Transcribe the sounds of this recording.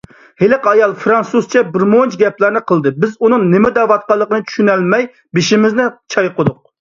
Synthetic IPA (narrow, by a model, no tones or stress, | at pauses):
helɪqɑjɑlˠfɾɑnsuzt͡ʃʰɛbɪɾmont͡ʃɡʲɛplæɾnɪqʰəlˠd̪ɨbɪzunɨŋnɪmɪd̪ɛvɑt̪̚qɑlˠːəqənɨt͡ʃ̪ʰy̥ʃynɛlmɛj | beʃimɪznɪt͡ʃʰɑjqəd̪ʊq̚